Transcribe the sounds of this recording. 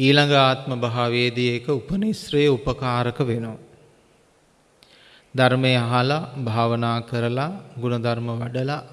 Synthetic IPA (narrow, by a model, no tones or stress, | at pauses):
iːlaŋɡaːt̪məbaɦaʋeːd̪ijekəupənisɾɐjəupəkaːɾəkəʋeno | d̪aɾmejəaɦalabʱaːʋənaːkəɾəlaɡunɐd̪aɾməʋaɖəla